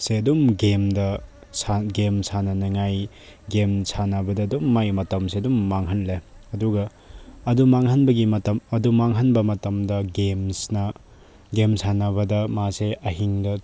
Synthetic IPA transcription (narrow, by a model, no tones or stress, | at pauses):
seɐdumɡemdɐ | saɡemsanɐneŋaj | ɡemsʰanɐbɐdɐdumːajmɐtɐmsedumːaŋɦɐnleɐduɡɐː | dumaŋhɐnbɐɡimɐtɐmɐdumaŋɦɐnbɐmɐtɐmdɐɡemsnɐ | ɡemsʰanɐβɐdɐmaseʔɐɦiŋdɐ